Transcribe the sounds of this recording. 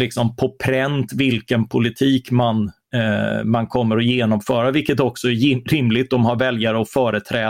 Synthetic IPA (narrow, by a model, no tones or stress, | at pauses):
lɪksɔmpʰɔpʰɾɛnt̪vɪlkənpʰʊlɪt̪ʰiːkman | mankʰɔmːəɾɔjeːnɔmfœːɾavɪlkːət̪ɔksɔæɾɪmlɪt̪̚d̪ɔmɦaɾvɛljaɾəɔfœːɾət̪ʰɾɛː